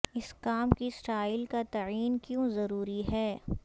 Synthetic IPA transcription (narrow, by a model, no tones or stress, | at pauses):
ɪskaːmkisʈaːɪlkat̪ɐiːnkjõzɐɾuːɾiɦɛː